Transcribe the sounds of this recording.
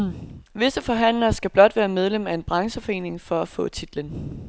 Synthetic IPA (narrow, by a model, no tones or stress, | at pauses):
ʋe̝səfɒ̽ɦæn̰lɐsɡ̥æb̥lɒ̽d̥ʋæːɐmeð̞ˠlemæe̝nb̥ʁɑ̈ŋsəfɒ̽e̝̰ːne̝ŋfɒ̽æfɔ̰̽ːt͡sʰid̥lən